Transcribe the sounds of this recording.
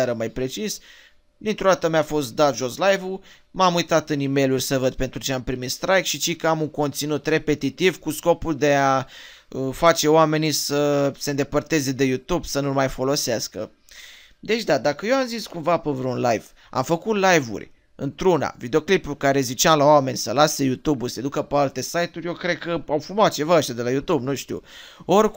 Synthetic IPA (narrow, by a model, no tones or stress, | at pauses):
aɾəmajpɾe̞t͡ʃis | d̪int̪ɾo̞d̪at̪əmʲjafo̞st̪̚d̪at̪ʒo̞slajvu | mamujt̪at̪ɨnime̞jlurʲsəvəd̪̚pe̞nt̪ɾut͡ʃe̞ampɾimit̪st̪ɾajkʃit͡ʃikəamuŋkont̪sinut̪ɾe̞pe̞t̪it̪ivkusko̞puld̪e̞a | əfat͡ʃe̞oame̞nisəseɨnd̪e̞pərt̪e̞ze̞d̪e̞jut̪ubsənulmajfo̞lo̞seaskə̰ | d̪e̞t͡ʃʲd̪ad̪akəje̞wamziskuɱvapəvɾounlajv̥ | a̰mfəkut̪lajvṵrʲ | ɨ̰nt̪ɾuna̰vid̪eo̞klipulkaɾe̞zit͡ʃamlaoame̞nʲsəlasejut̪ubuse̞d̪ukəpealt̪e̞sajt̪urʲje̞kɾe̞d̪̚kəawfumat̪̚t͡ʃe̞vaəʃt̪ad̪e̞lajut̪ubnuʃt̪ṵo̞rʲ